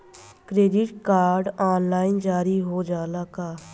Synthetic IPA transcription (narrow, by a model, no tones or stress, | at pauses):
kɾeːɖɪʈkaːɾɖaːnlaːɪnd͡ʒaːɾiɦoːd͡ʒaːlaːkaː